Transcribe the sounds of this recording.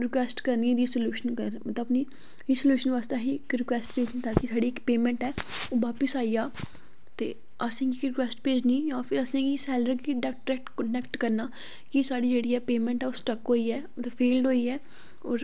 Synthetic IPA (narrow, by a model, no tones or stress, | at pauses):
ɾɪkwʋɛːsʈkəɾniːɾiːsəljuːʃənkəɾmət̪əəpni | ɾiːsəljuːʃənʋaːst̪aːɦikɾɪkʋɛːsʈpeːd͡ʒniːt̪aːkɪsaːɽiːɪkpeːmɛ̃ɳʈɦɛːoːʋaːpəsaːijaː | t̪ḛː | əsẽːkikɾɪkʋɛːsʈpeːd͡ʒniːjãːpʰɪɾəsẽːkisɛːləɾkiɖɛkʈɾɛk̚ʈkəɳɖɛkʈkəɾnaː | kisaːɽiːd͡ʒeːɽiːɛːpeːmɛ̃ɳʈɦɛːosʈəkɦoːiːɛːmət̪ləbfʰeːlɖɦoːiːɛː | ɔːɾ